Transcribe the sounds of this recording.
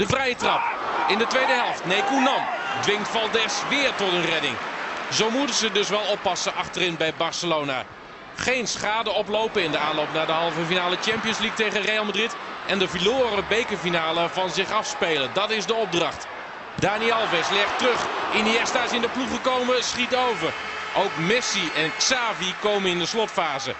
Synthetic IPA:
d̥əvrɛjətrɑpɪndətʋejdəɦɛlˠftnejkunɑmdʋɪŋtfɑlˠdɛsʋɪːɹtɔtənrɛdɪ̰ŋzowmutənzədɵsʋɛlˠɔpːɑsəʔɑχtərɪnbɛjbɑɹsəlowna̰ | χejnsχaːdəɔplowpəɪndəaːnlowp̚naːdəɦɑlˠvəfinaːlət͡ʃɛmpijənzlik̚tejχərejalˠmadritʔɛndəviloːɾəbejkəfinaːləvɑnzɪχɑfspejləndɑtɪzdəɔb̚drɑχt | d̥aːniɛlˠvɛslɪχtrɵχɪniɛstaɪsɪndəpluχəkowməsχitowvər | ʔowkmɪsiɛnksaːvikowmənɪndəslɔtfaːzə̰

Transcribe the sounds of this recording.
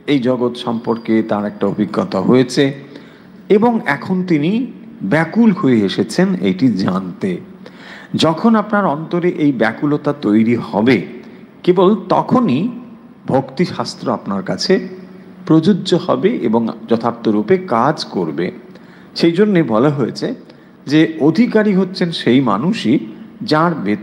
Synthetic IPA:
ejd͡ʑɔɡot̪ʃɔmpoɾket̪aɾɛk̚ʈaobʱiɡːɔt̪aɦoet͡ɕʰe | eboŋɛkʰont̪inibɛkulhoeeʃet͡ɕʰenḛjʈid͡ʑant̪e | d͡ʑɔkʰonapnaɾɔnt̪oɾeʔejbɛkulot̪at̪ojɾihɔbe | kebolt̪ɔ̰kʰoni | bʱokt̪iʃast̪ɾoapnaɾkat͡ɕʰe | pɾod͡ʑudːʑohɔ̰beʔḛboŋd͡ʑɔt̪ʰap̚t̪oɾupekad͡ʑkoɾbḛ | ʃejd͡ʑonːebɔlaɦoet͡ɕʰe | d͡ʑeod̪ʱikaɾiɦotːɕʰenʃejma̰nuʃid͡ʑaɾbet̪

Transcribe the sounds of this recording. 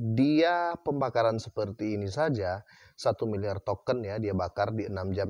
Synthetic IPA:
diapəmbakaɾansəpərt̪iːnisad͡ʒa | sat̪umiliart̪okənjadiabakardiənamd͡ʒam

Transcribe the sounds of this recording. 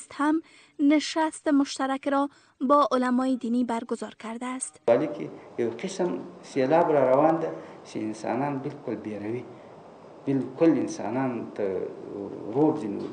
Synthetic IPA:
st̪ham | nɪʃast̪emʊʃt̪aɾakɾɔ | bɒʔʊlamɒjɪd̪inibaɾɡʊzɒɾkaɾd̪aːst̪ɑlikʰejawqɪsmselɑbɾɑɾawɑnd̪a | t͡ʃḛɪnsɑ̰nɑnbɪlkʊlbeɾawi | bɪlkʊlɪnsɑ̰nɑnt̪a | ɾobzin̰w̰

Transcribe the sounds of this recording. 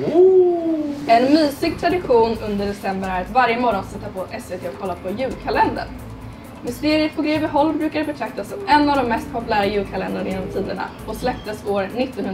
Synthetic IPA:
ɛnmyːsɪɡ̚t̪ʰɾad̪ɪɧuːnɵnd̪əɖɛsɛmbəɾæɾat̪vaɾjəmɔɾɔnsɛt̪ːapʰɔʔɛsveːt̪ʰeːɔkʰːɔlːapʰɔjʉ̟ːlkʰalɛnd̪ə̰ɾ | mʏst̪eːɾɪəfɔɡɾeːvɪɦɔlːbɾʉ̟ːkad̪ɛbɛt̪ʰɾak̚t̪asɔmɛnːavd̪ɔmːɛst̪̚pʰɔpɵlæːɾajʉ̟ːlkʰalɛnd̪anajɪːnːɔmt̪ʰiːd̪əɳa̰ | ɔslɛp̚t̪əsoːɾnɪt̪ːɔnhɵn

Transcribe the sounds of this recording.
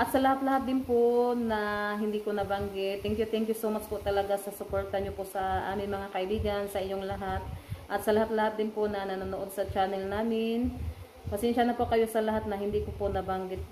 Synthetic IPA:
ʔɐt̪sɐlɐhat̪̚lɐhat̪̚d̪ɪnponɐɦɪnd̪iːkonɐbaŋɡɪt̪̚ːɛŋkjʊt̪ɛŋkjʊsowmat͡ʃpoʔt̪ɐlɐɡasɐsʊpoɹt̪ɐɲopoʔsɐʔa̰ːmɪŋmɐŋakɐʔɪbiːɡɐnsɐʔɪɲo̞ŋlɐɦat̪̚ʔɐt̪̚sɐlɐhat̪̚lɐhat̪̚d̪ɪnponɐnɐnonoʔo̞d̪̚sɐt͡ʃaːnɛlnaːmɪn | pɐsɛnʃanɐpokɐjo̞sɐlɐɦat̪̚nɐhɪnd̪iːkoponɐbaŋɡɪt̪̚

